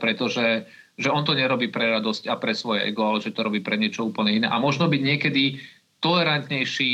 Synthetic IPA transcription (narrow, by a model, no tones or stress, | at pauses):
pɾɛt̪ɔʒɛ | ʒɛɔnt̪ɔɲɛɾɔbiːpɾɛɾad̪ɔscapɾɛsʋɔjɛɛ̰ɡɔalɛʒɛt̪ɔɾɔbiːpɾɛɲɪɛt͡ʃɔuːpl̩ɲɛinɛ̰ːʔa̰mɔʒnɔbiɟɲɪɛkɛd̪i | t̪ɔlɛɾant̪ɲɛjʃiː